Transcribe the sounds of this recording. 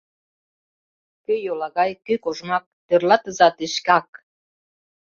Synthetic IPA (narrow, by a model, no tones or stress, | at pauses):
køjolɑɣɑjkøkoʒmɑk̚t̪ørlɑt̪əzɑt̪eʃkɑk